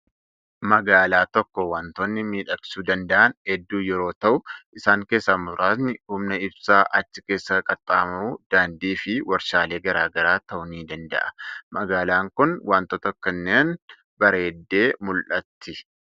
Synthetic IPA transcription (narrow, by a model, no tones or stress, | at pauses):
mɐɡaːlaːt̪ɔkːɔwaːnt̪oːnːɪmiːᶑɐksuːd̪ɐnd̪ɐʔɐnhɛd̪ːuːjɛɾo̞ːt̪ɐʔʊɪsaːŋke̞ːsːɐmʊɾaːsnɪhʊmnɐɪbsaːʔɐt͡ʃːɪke̞ːsːɐkʼɐt̪ʼːaːmɐuːd̪̥aːnd̪iːfɪwʔɐɾʃaːle̞ːɡɐɾaːɡɐɾaːt̪ɐʔʊniːd̪ɐnd̪ɐ̰ʔɐ̥mɐɡaːlaːŋkʊnwʔaːnt̪ot̪ɐkːɐnːeːn | bɐɾeːd̪ːe̞ːmʊlʔɐt̪ʰːɪ